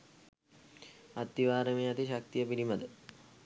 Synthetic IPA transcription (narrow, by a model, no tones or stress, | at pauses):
at̪ːiʋaːɾəmeat̪iɕak̚t̪ijəpiɾiməd̪ə